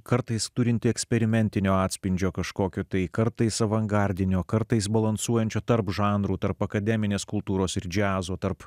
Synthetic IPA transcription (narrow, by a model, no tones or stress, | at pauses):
kɐɾt̪ɐɪst̪ʊɾʲɪnʲt̪ʲɪɛksʲpʲɛɾʲɪmʲɛnʲt̪ʲɪnʲoːɑːt̪ʲsʲpʲɪnʲd͡ʒʲoːkɐʃkoːkʲoːt̪ɐɪkɐɾt̪ɐɪsɐʋɐŋɡɑɾʲd̪ʲɪnʲoːkɐɾt̪ɐɪsbɐlˠɐnsuɔjɛnʲt͡ʃʲoːt̪ɐɾpʒɑːnɾuːt̪ɐɾpɐkɐd̪ʲɛmʲɪnʲeːskʊlˠt̪uːɾoːsɪɾd͡ʒʲæːzoːt̪ɐɾp